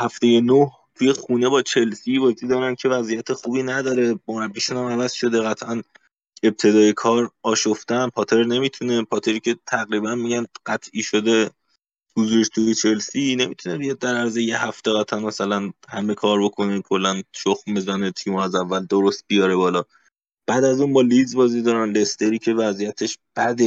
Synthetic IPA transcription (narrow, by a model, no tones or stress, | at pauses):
hæft̪e̞jenoh | t̪ʰuje̞xune̞bɒːt͡ʃʰe̞lsivɒːd͡ʒued̪ɒːɾæncʰe̞væzijæt̪ʰexuːbiːnæd̪ɒːɾe̞moɾæbːiʃunæmævæzʃo̞d̪eɣæt̪ʰʔæn | e̞b̚t̪ʰe̞d̪ɒːje̞kʰɒːɾɒːʃoft̪ænpʰɒːt̪ʰe̞ɾne̞miːt̪ʰune̞pʰɒt̪ʰe̞ɾiːcʰe̞t̪ʰæɣɾiːbænmiɟænɢæt̪ʰʔiːʃod̪e̞ | huzuːɾeʃt̪ʰuit͡ʃʰelsine̞mit̪ʰunebijɒd̪̚ːæɾæɾzejehæft̪eɣæt̪ʰʔænmæsælænhæme̞kʰɒːɾbo̞kʰo̞nekʰolːænʃoxmbezænet̪ʰimoæzævːæld̪oɾost̪̚bijɒːɾe̞bɒːlɒː | b̥æːd̪æzuːnbɒːlizbɒːziːd̪ɒːɾænle̞st̪eɾiːcʰe̞væzijæt̪ʰeʃb̥æd̪e